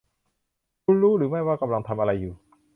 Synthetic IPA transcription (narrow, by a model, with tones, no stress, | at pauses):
u˧˥nlu˦˥ɗɨ˨˦maː˧˥˩jkwaː˧˥˩ka˧mla˧ŋt̪ʰa˧mʔaː˧ɾaː˧jːuː˨˩